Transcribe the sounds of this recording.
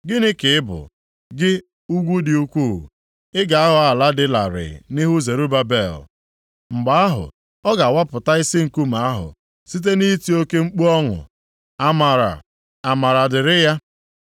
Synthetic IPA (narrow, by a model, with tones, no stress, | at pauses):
ɡɪ˦nɪ˦kɪ˨ɪ˦bʊ̰˨ | ɡɪ˦ | u˦ɡʷu˦dɪ˨u˦kʷṵ˦˨ | ɪ˦ɡa˨a˦ɦʊ˨a˨la˦dɪ˦la̰˨ɾɪ̰˨nɪ˦ɦu˦ze˨ɾu˦ba˦be˨l | ŋ͡m̩˨ɡ͡ba˨a˦ɦʊ̰˨ | ɔ˦ɡa˨wa˦pʊ˨ta˦i˦sɪ˦ŋ̩˨ku˦ma˨a˦ɦʊ̰˨ | si˦t̬e˦ni˦ti˨˦o˦ke˦ŋ͡m̩˦k͡pu˦ɔ˦ŋʊ̰˨ | a˨ma˨ɾa̰˨ | a˨ma˨ɾa˨dɪ˨ɾɪ˦ja˦